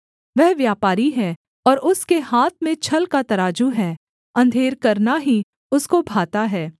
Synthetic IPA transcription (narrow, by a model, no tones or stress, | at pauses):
ʋɛɦʋjaːpaːɾiɦɛː | ɔːɾʊskeɦaːt̪̚ʰmẽt͡ʃʰɐlkat̪ɐɾaːd͡ʒuɦɛː | ɐ̃nd̪ʱeːɾkɐɾnaɦi | ʊskobʱaːt̪aɦɛː